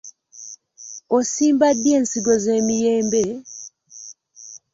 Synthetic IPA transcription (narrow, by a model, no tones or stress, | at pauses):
osiːmbadːjeːnsiɡozeːmijeːmbe